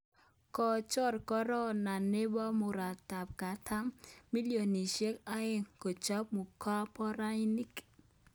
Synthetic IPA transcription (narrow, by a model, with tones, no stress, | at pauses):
kɔ˨t͡ʃɔ˦ɾkɔ˦ɾɔ˦na˨nɪ˦bɔ˦mʊ˨ɾa˨ta˨p̚ka˨tʰa˦mmi˦li˦o˨ni˨ʃe˦ka˦ɪ˦ŋko˨t͡ʃa˦p̚mu˨ka˦pɔ˦ɾa˦i˦ni˦k